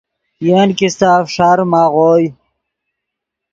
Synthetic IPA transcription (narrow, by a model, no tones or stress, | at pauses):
jenkist̪aːfʂaɾmaːʁoj